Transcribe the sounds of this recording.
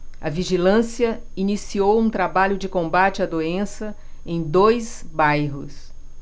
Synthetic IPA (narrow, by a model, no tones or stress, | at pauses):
ɐ̰viʒilɐ̃siɐ | inisiowũt̪ɾabaʎʊd͡ʒɪkõbat͡ʃɪɐd̪oẽsɐ | ẽj̃d̪ojzbajɦʊs